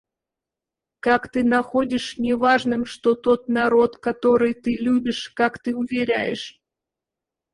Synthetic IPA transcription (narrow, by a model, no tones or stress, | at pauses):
kakt̪ɨnɐxo̞dʲɪʂnʲɪvaʐnɨmʂt̪o̞t̪o̞t̪nɐɾo̞t̪kɐt̪o̞ɾɨjt̪ɨlʲubʲɪʂkakt̪ɨʊvʲɪɾʲæ̰jɪ̰ʂ